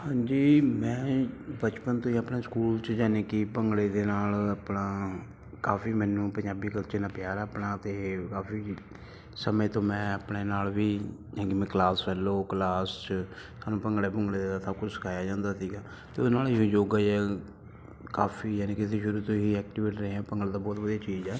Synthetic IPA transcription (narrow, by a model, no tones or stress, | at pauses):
hãːɲd͡ʒiːmɛ̃ːbət͡ʃpənt̪õːĩəpneːskuːlt͡ʃd͡ʒaːneːkipəŋɡɽeːd̪eːnaːlaːpnaː | kaːfʰiːmɛːnũːpəɲd͡ʒaːbiːkəlt͡ʃeːnãːpjaːɾaəpɳaːt̪eːkaːfiː | səmẽːt̪õːmɛ̃ːəpɽeːnaːlʋiːjaːkimɛ̃ːklaːsʋɛːloːkəlaːst͡ʃəsaːnũːpəŋɡɽeːpəŋɡɽed̪eːd̪aːt̪ʰakʊsə̥kʰaːjaːd͡ʒãːnd̪aːsiːɡaː | t̪eːoːnaːlɪõːd͡ʒoːɡəiːɛː | kaːpʰiːjaːneːkɪt̪eːʃʊɾut̪oːɦiːɛːk̚ʈiːʋeːʈɾəẽːɛ̃ːpəŋɡəɭːd̪aːbɔːt̪bəd̪iːaːt͡ʃiːzɛː